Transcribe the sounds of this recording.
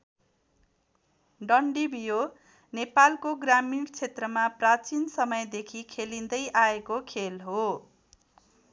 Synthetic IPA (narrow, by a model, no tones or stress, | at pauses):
ɖʌɳɖibijo | nepalkoɡramiŋɡt͡sʰet̪rʌmaprat͡sinsʌmʌjd̪ekʰikʰelind̪ʌjʔaekokʰelɦo